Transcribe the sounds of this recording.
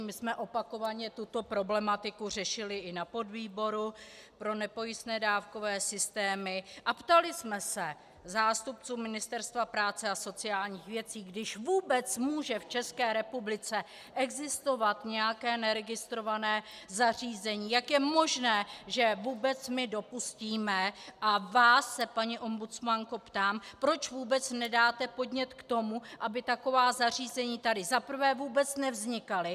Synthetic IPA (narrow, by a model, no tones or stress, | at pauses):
mɪsmɛʔo̞pako̞vaɲɛt̪ut̪o̞pɾo̞blɛmat̪ɪkur̝ɛʃɪlɪʔɪnapo̞dviːbo̞ɾupɾo̞nɛpo̞jɪst̪nɛːdaːfko̞vɛːsɪst̪ɛːmɪʔapt̪alɪsmɛsɛ | zaːst̪up̚t͡suːmɪnɪst̪ɛɾst̪vapɾaːt͡sɛaso̞t͡sɪjaːlɲiːxvjɛt͡siːɡdɪʃvuːbɛt͡smuːʒɛft͡ʃɛskɛːɾɛpublɪt͡sɛ | ʔɛɡzɪst̪o̞vat̪ɲɛjakɛːnɛɾɛɡɪst̪ɾovanɛː | zar̝iːzɛɲiːjakjɛmo̞ʒnɛːʒɛvuːbɛt͡smɪdo̞pusciːmɛʔavaːsːɛpaɲiʔo̞mbut͡smaŋko̞pt̪aːmpɾo̞t͡ʃvuːbɛt͡snɛdaːt̪ɛpo̞dɲɛt̪kt̪o̞muʔabɪt̪ako̞vaːzar̝iːzɛɲiːt̪adɪzapr̩vɛːvuːbɛt͡snɛvzɲɪkalɪ